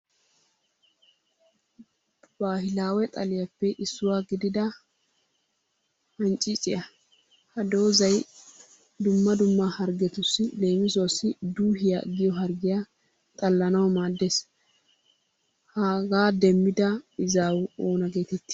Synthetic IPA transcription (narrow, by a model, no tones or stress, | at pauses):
b̥aːɦɪlaːwɛt̪ʼɐlɪjɐpːɛʔɪsːʊwaːɡɪd̪ɪd̪ɐ | hɐnt͡ʃʼːɪt͡sʼɪʔɐ | hɐd̪o̞ːzɐj | d̪ʊmːɐd̪ʊmːahɐɾɡɛt̪ʊsːɪle̞ːmɪzosːɪd̪uːɦɪja̰ɡɪjɔɦɐɾɡɪjaː | t̪ʼɐlːɐnɐwmaːd̪ːes | haːɡaːd̪ɛmːɪd̪ɐɪzaːwʊoːnɐɡe̞ːt̪ɛt̪ːɪ̥